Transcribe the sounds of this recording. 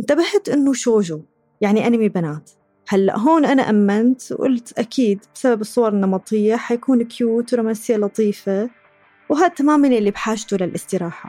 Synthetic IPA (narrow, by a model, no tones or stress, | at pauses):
ʔɪnt̪abaht̪ʔɪnːʊʃoːʒu | jaʕniʔanamibanaːt̪ | halːa̰ʔɦoːnʔana̰ʔamːant̪wʔʊ̰lt̪ʔakʰiːd̪bɪsababɨsˤːʊwɑɾˤnːɑmɑt̪ˤɪjːaħajkuːnkʰjuːt̪ɾomasɪjːalɑt̪ˤiːfa | wɦaːt̪ːamaːmanʔɪlːibħaːʃt̪ulalʔɪst̪ɪɾaːħa̰